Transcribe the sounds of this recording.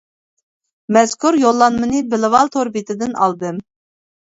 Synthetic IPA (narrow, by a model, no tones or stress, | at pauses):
mɛz̥kʰuɾjolˠːɑnmɨnɨbɪlɪvɑlˠt̪ʰoɾbit̪ʰɪd̪ɪnɑ̰lˠd̪ɨm